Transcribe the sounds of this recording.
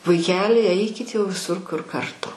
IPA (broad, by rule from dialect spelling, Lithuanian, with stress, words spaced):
ʋɐɪˈkʲæːlʲɪ ˈɛɪkʲɪt jɛʊ ʋʲɪˈsʊr kʊr kɐrˈtʊ